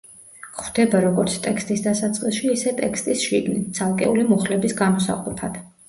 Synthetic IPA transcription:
χwd̪̥ɛbaɾɔɡɔɾt̪sʰt̪ʼɛkst̪ʼisd̪asat̪sʼqʼisˠʃiːsɛt̪ʼɛkst̪ʼisʃiɡnit̪̚t̪sʰalˠkʼɛ̰ulimuχlɛbisɡamɔsa̰qʼupʰad̪̥

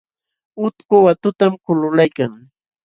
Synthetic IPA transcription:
ʊt̪kʊwat̪ʊt̪amkʊlʊlajkaŋ

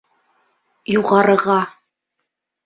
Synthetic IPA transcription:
juʁɑɾɤ̆ʁɑ

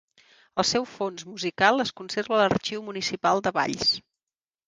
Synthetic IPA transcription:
əlˠsɛwfonzmuzikalˠəskunserβələrt͡ʃiwmunisipalˠd̪əβa̰ʎs

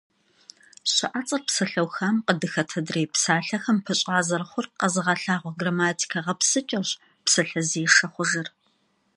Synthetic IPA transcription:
ɕɪʔat͡sʼɐrpsɐɬɐwxaːmqədɨxɐtʰɐdreːpsaːɬɐxɐmpʰɨɕʼaːzɐrχʷʊrqɐzɨʁɐɬaːʁʷɔɡramaːtʰi̥kʰɐʁɐpsɨt͡ʃʼɐɕ | psɐɬɐziːɐχʷʊʒɪr

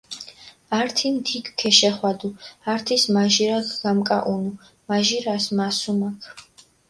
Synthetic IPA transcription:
aɾt̪ʰimd̪ʰikʰkʰɛʃɛχwad̪uaɾt̪ʰismaʒiɾakʰɡamkʼaʔunu | maʒiɾasmasumakʰ

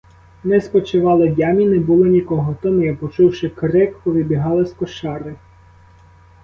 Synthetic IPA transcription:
nɛspɔt͡ʃɪʋɑlˠɪdʲɑmʲinɛbulˠɔnʲikɔɦɔt̪ɔmʊjapɔt͡ʃuwʃɪkɾɪkpɔʋʲibʲiɦɑlˠɪskɔʃɑɾɪ

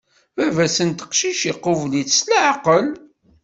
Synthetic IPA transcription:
ævæsənt̪ə̥qʃiʃiqːʊvliθslaʕqəl

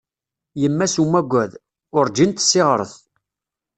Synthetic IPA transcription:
jəmːæsumːæɡʷːæð | ʊɾd͡ʒint̪sːɪʁɾˤəθ

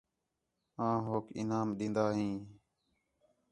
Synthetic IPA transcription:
ãːɦoːkʰɪ̰naːmɗ̪ĩːnd̪aːɦĩː

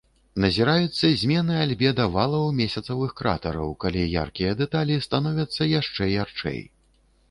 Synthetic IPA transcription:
nɐzʲiɾajut̪sːɐzʲmʲɛnɨalʲbʲɛd̪ɐvalˠɐwmʲesʲɐt̪sɐvɨxkɾa̰t̪ɐɾɐ̰wkalʲija̰rkʲijɐd̪ɛt̪alʲist̪anɔvʲɐt̪sːɐjaʂt͡ʂɛjart͡ʂɛ̰j

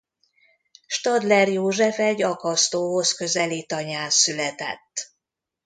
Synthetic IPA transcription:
ʃt̪ɒd̪lɛrjoːʒɛfɛɟːɒkɒst̪oːɦo̞skø̞zɛliːt̪ɒɲaːnsylɛt̪ɛ̰t̪ː

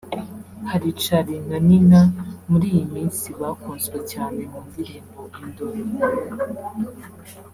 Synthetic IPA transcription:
haɾit͡ʃaɾinaninamuɾiːjimiːnsiβakuːnzɡwecaːne̞muːndiɾiːmbo̞ʔindoɾi

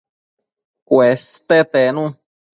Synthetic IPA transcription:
kwest̪et̪enũ

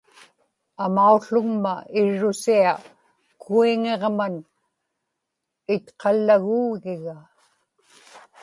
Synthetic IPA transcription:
amauɬʊŋmaɪɻːʊsia | kʰuiŋeʁman | ɪt̪qʰɑlːaɣuːɣɪɣa

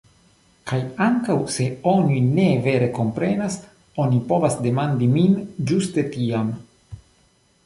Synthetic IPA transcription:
kajaŋkawse̞o̞nine̞ve̞ɾe̞ko̞mpɾe̞nas | o̞nipo̞vasde̞mandimind͡ʒuste̞tiam

